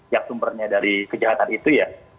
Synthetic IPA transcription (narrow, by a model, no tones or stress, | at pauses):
jaŋsumbərɲadaɾikəd͡ʒaɦat̪anit̪uja